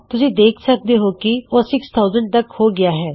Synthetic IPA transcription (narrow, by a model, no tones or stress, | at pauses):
t̪ʊsĩːd̪eːkʰsək̚d̪eːɦoːkioːsɪkst̪ʰaːʊzəɳɖ̚t̪əkhoːɡɪaːɦɛː